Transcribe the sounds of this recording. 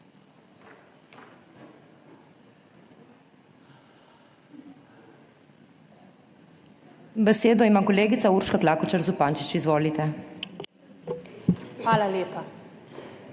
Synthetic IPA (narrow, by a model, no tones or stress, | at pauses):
bɛseːd̪ɔimaːkɔleːɡit̪sauɾʃkaklaːkɔt͡ʃaɾzupaːnt͡ʃit͡ʃizʋoːlit̪ɛ | xʋaːlaleːpa